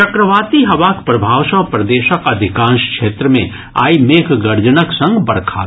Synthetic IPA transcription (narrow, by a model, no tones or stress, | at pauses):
t͡ʃɐkɾəʋaːt̪iɦɐʋaːkpɾɐbʱaːʋsə̃pɾɐd̪eːʃəkɐd̪ʱɪkãːnʃkʃeːt̪ɾəmḛ̃ | a̰ːimeːkʰɡɐɾd͡ʒənəksɐ̃ŋɡbɐɾkʰa̰ː